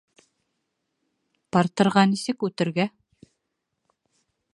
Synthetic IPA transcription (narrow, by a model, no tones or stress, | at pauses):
pɑɾt̪ɤ̆ɾʁɑnisɘkʉt̪ɘ̆ɾɡæ